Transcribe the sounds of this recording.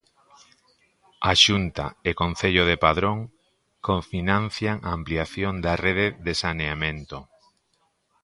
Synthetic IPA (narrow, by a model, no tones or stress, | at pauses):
aʃunt̪a̰ekon̟θeʎoðepaðɾoŋ | koɱfinãn̟θjaŋaːmpliaθjond̪areðeðesaneamẽnt̪o